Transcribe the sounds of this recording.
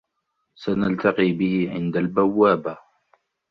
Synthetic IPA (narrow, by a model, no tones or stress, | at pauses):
sanalt̪ɑqiːbɪhɪʕɪ̰nd̪albawːaːba